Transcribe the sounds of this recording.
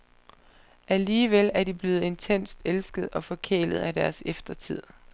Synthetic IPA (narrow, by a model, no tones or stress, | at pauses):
ʔæliːʋelæɐd̥ib̥le̝ːð̩ˠe̝nt͡sʰen̰sd̥elsɡ̥əð̞̩ˠɒ̽fɒ̽kʰḛːləð̞̩ˠæd̥æɐsefd̥ɐt͡sʰið̞̰ˠ